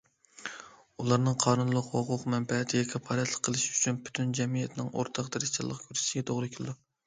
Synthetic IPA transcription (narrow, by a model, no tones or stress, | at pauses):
ulˠɑɾnɨŋqʰɑːnunlˠʊqhoqʰʊqmɛmpɛɦɛt̪ʰɪɡʲɛkʲʰɛpʰɑɾɛt̪lˠə̥qʰːəlˠɨʃyt͡ʃʰynpʰy̥t̪ʰynd͡ʒɛmijɛt̪ʰɪnɪ̰ŋo̰ɾt̪ʰɑqd̪ɨɾɨt͡ʃʰɑ̰lˠəqkʲʰøɾʃɡʲɛt̪ʰoʁɾɨkʲʰyld̪u